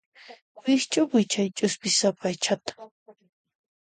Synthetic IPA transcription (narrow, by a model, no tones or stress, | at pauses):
wɪxt͡ʃʼapɪt͡ʃajt͡ʃʼʊspɪsapajt͡ʃʰat̪ḁ